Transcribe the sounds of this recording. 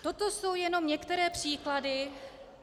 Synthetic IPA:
t̪o̞t̪o̞so̞wjɛno̞mɲɛkt̪ɛɾɛːpr̝̥iːkladɪ

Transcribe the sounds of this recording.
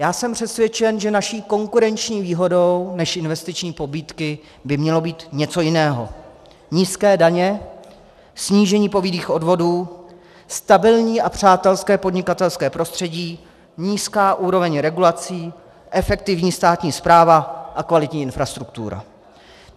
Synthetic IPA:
jaːsɛmpr̥ɛsvʲjɛt͡ʃɛnʒɛnaʃiːko̞ŋkuɾɛnt͡ʃɲiːviːɦo̞do̞wnɛʃʔɪnvɛst̪ɪt͡ʃɲiːpo̞biːt̪kɪ | bɪmɲɛlo̞biːt̪ɲɛt͡so̞jɪnɛːɦo̞ | ɲiːskɛːdaɲɛ | sɲiːʒɛɲiːpo̞vidiːxʔo̞dvo̞duː | st̪abɪlɲiːʔapr̝̥aːt̪ɛlskɛːpo̞dɲɪkat̪ɛlskɛːpɾo̞st̪r̥ɛɟiː | ɲiːskaːʔuːɾo̞vɛɲɾɛɡulat͡siː | ʔɛfɛk̚t̪ɪvɲiːst̪aːt̪ɲiːspɾaːvaʔakvalɪt̪ɲiːɪnfɾast̪ɾukt̪ṵɾa̰

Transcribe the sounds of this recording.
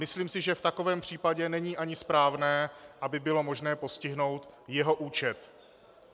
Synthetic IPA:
mɪsliːmsɪʒɛft̪ako̞vɛːmpr̝̥iːpaɟɛnɛɲiːʔaɲɪspɾaːvnɛːʔabɪbɪlo̞mo̞ʒnɛːpo̞scɪɦno̞wt̪jɛɦo̞ʔuːt͡ʃɛt̪

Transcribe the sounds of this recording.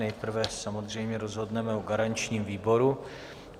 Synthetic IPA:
ɛjpr̩vɛsamozr̝ɛjmɲɛɾozɦo̞dnɛmɛoɡaɾaɲt͡ʃɲiːmviːbo̞ɾu

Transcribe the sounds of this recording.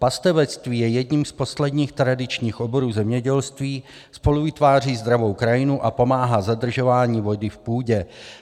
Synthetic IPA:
past̪ɛvɛt͡st̪viːjɛjɛdɲimspo̞slɛdɲiːxt̪ɾadɪt͡ʃɲiːxʔo̞bo̞ɾuːzɛmɲɛɟɛlst̪viː | spo̞luvɪt̪vaːr̝iːzd̪ɾavo̞wkɾajɪnuʔapo̞maːɦazad̪r̩ʒo̞vaːɲiːvo̞dɪfpuːɟɛ

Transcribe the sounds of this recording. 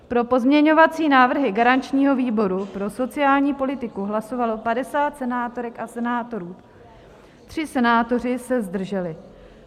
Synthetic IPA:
pɾo̞po̞zmɲɛɲo̞vat͡siːnaːvr̩ɦɪɡaɾant͡ʃɲiːɦo̞viːbo̞ɾupɾo̞so̞t͡sɪaːlɲiːpo̞lɪt̪ɪkuɦlaso̞valo̞padɛsaːt̪sɛnaːt̪o̞ɾɛkasɛnaːt̪o̞ɾuː | t̪r̥ɪsɛnaːt̪o̞r̝ɪsɛzd̪r̩ʒɛlɪ

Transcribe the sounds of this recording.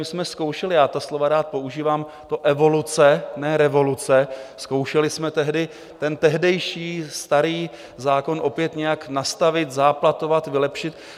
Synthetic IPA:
mɪsmɛsko̞wʃɛlɪjaːt̪aslo̞vaɾaːt̪̚po̞uʒiːvaːm | t̪o̞ʔɛvo̞lut͡sɛnɛɾɛvo̞lut͡sɛsko̞wʃɛlɪsmɛt̪ɛɦdɪ | t̪ɛnt̪ɛɦdɛjʃiːst̪aɾiː | zaːko̞nʔo̞pjɛt̪ɲɛjaknast̪avɪt̪zaːplat̪o̞vat̪vɪlɛpʃɪt̪

